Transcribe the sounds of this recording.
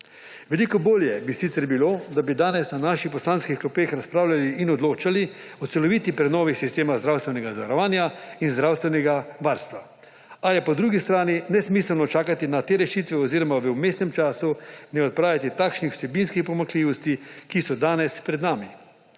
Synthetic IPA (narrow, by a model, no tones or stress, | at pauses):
ʋɛlikɔboːljɛbisit̪sɛɾbiloːd̪abid̪aːnɛsnanaːʃixpɔslaːnskixklɔpexɾaspɾaːwlaliʔːnɔd̪loːt͡ʃali | ɔt̪sɛlɔʋit̪ipɾɛnɔːʋixsist̪eːmaɣzd̪ɾawst̪ʋɛnɛɡazaʋaɾɔʋaːnjainzd̪ɾawst̪ʋɛnɛɡaʋaːɾst̪ʋa | ajɛpɔd̪ɾuːɡist̪ɾaːninɛsmisɛlnɔt͡ʃaːkat̪inat̪eːɾɛʃiːt̪ʋɛɔziːɾɔmaʋəumeːst̪nɛmt͡ʃaːsunɛɔt̪̚pɾaːjat̪it̪aːkʃnixw̥sɛbinskixpɔmakliʋɔst̪ikisɔd̪aːnɛspɾɛd̪naːmi